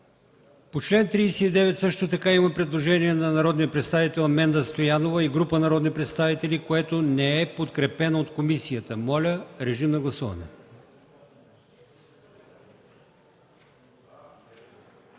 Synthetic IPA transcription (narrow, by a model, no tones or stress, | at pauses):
pot͡ʃlɛnt̪ɾiːsɛid̪ɛvɛt̪sɤʃt̪ot̪ɐkaimɐpɾɛd̪lˠoʒɛniɛnɐnɐɾɔd̪nijəpɾɛt̪st̪avit̪ɛlˠmɛnd̪əst̪ojanovəiɡɾupənɐɾɔd̪nipɾɛt̪st̪avit̪ɛlikoɛt̪onɛɛpot̪kɾɛpɛnɐot̪komisijət̪əmɔlʲəɾɛʒimnɐɡlˠɐsuvɐ̰nɛ̰